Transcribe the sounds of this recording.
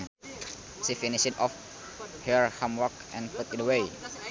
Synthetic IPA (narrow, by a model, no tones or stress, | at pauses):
ʃifiniʃdɔf | həɹhãmwɔkʔɛ̃nput̪idəwej